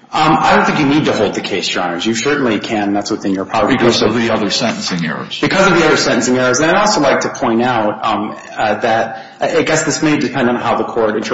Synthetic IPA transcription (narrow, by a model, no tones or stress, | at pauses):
ʌ̃maɪdɾõʊ̃nθɪ̃ŋkjɨnid̚tɨhoʊlˠd̪̚ðɨkʰeɪsd̥ɹ̥ã̰ɪ̃nə̃zjɨsɜ˞ʔn̩likʰɨ̃nðætswɨθɪ̃njə˞pʰaʊə˞ɾdsvðiʌðə˞sɛ̃ɾ̃n̩sɪ̃ŋɛ̰ɹə̰z̥b̥ɨkʰʌzʌvðiʌðə˞sɛ̃ñʔn̩sɪ̃ŋɛɹə˞zɨ̃naɪɾɔlˠsoʊlaɪk̚tʰɨpʰɔ̃ɪ̃ntaʊt̚ | ðɨɾ̚ | aaɪɡɛsðɪsmeɪdɨpʰɛ̃ndn̩n̩haʊðəkʰɔɹɾɪ̃nt